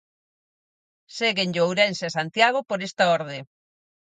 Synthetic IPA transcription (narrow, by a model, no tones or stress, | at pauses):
seɣenʎowɾenseasant̪jaɣopoɾest̪ɐoɾð̞e